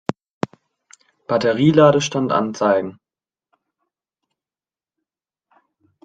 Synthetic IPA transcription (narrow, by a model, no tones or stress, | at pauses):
b̥atəʁiːlaːɾəʃtantʔa̰nt͡saɪɡŋ̩